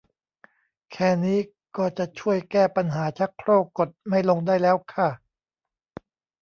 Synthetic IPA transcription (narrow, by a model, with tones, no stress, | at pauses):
kʰɛː˨˩niː˦˥ | kɔː˥˩t͡ɕa˨˩ʔt͡ɕʰu˥˩əjkɛː˥˩pa˧nɦaː˩˦t͡ɕʰa˦˥kʰɾoː˥˩kːo˨˩t̪̚ma˥˩jlo˧ŋdaː˥˩jlɛː˦˥wkʰa˥˩